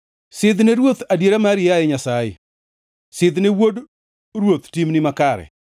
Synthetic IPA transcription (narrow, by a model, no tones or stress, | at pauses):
sɪd̪neɾwot̪adjeɾamaɾɪajeɲasajɪ̰ | sɪd̪newod | ɾwot̪timnɪmakaɾɛ̰